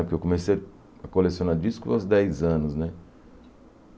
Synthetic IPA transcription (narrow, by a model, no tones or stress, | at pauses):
pʊɾkewkõmeseja | ɐkolesjõnaɾd͡ʒiskua̰wzd̪ɛjzɐ̃nʊznɛ